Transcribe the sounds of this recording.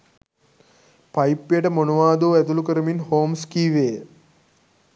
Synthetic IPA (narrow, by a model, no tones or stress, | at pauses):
pajpːijəʈəmonuʋaːd̪oːæt̪ulukəɾəminhoːmskiːʋeː